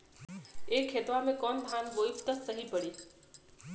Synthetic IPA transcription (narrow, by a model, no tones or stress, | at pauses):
eːkʰːeːt̪ʋamẽkɔːnd̪ʱaːnʋoːift̪əsəɦipəɽiː